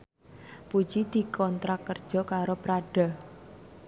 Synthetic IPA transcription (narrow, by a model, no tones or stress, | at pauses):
pu̥d͡ʒid̪̥i̤kɔnt̪ɾakərd̥ʒ̥ɔ̤kaɾopɾaɖ̥a̤